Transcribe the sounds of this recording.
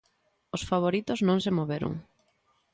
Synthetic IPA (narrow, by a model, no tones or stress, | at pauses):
osfaβ̞oɾit̪oznõŋsemoβeɾo̰ŋ